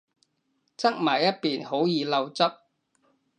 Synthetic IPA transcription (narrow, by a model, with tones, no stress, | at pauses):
t͡sɐ˥k̚maː˨˩jɐ˥t̚piː˨nho˨˥wjiː˨˧lɐ˧wt͡sɐ˥p̚